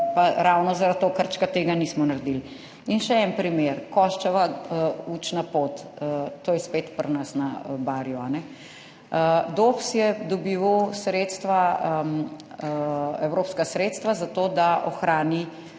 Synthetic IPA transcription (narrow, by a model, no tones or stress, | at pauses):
paɾawnɔzaɾat̪̚t̪ːoːkəɾt͡ʃkat̪eːɡaniːsmɔnaɾd̪il | inʃɛɛnpɾimeːɾkɔʃt͡ʃɛʋaut͡ʃnapot̪ːoːjɛspet̪pɾnasnabaɾjuanɛ | d̪opsjɛd̪ɔbiːʋosɾeːt̪st̪ʋa | ɛwɾoːpskasɾeːt̪st̪ʋazat̪oːd̪aʔɔ̰xɾaːni